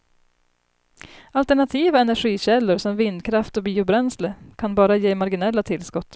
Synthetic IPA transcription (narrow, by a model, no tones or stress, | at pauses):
alt̪æɳat̪ʰiːvaɛnæɾɧiːɕɛlːʊɾsɔmvɪnd̪kʰɾaft̪ɔbiːʊbɾɛnsləkʰanbɑːɾajeːmaɾɡɪnɛlːat̪ʰɪlskɔt̪ː